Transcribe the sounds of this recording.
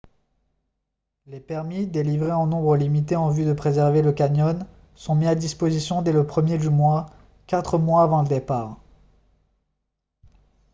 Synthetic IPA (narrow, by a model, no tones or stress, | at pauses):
lepɛʁmid̪elivʁeɑ̃nɔ̃bʁəlimit̪eɑ̃vyd̪əpχezɛʁveləkaɲɔn | sɔ̃miad̪ispozisjɔ̃d̪ɛləpχəmjed̪ymwa | kat̪χəmwaːvɑ̃ləd̪epaːʁ